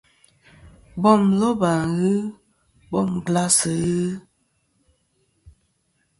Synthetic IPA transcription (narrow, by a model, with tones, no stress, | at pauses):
bɔ˦˨mzɔ˦ba˨ɣɨ˦ | bɔ˦˨mɡla˦sə˨ɣɨ˦